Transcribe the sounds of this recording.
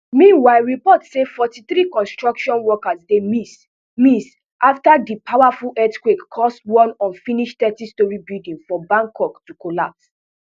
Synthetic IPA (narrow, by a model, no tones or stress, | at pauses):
mĩnwaɪɹipɔtsefɔtiθɹikɔ̃nstɹɔkʃɔ̃nwɔkasdemis | mĩs | ʔaftadipʰawafulʔɛtkwekkʰɔstwɔ̃nɔ̃nfĩniʃtɛtistɔɹibildĩnfɔbãŋkɔktukolap̚s